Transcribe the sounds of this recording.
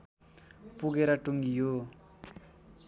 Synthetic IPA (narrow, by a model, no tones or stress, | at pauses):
puɡeɾʌʈuŋɡijo